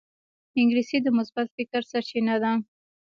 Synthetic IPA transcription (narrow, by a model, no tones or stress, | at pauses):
ɪŋɡɾisid̪əmʊsbat̪fɪkəɾsaɾt͡ʃinad̪a